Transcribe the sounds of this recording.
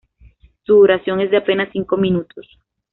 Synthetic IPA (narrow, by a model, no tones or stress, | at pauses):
suoɾasjo̞ŋezd̪eapenasːiŋkomĩnut̪os